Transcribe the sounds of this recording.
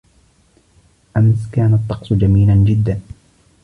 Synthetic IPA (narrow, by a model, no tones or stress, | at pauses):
ʔamskaːnat̪ˤːɑqsˤd͡ʒamiːland͡ʒɪd̪ːan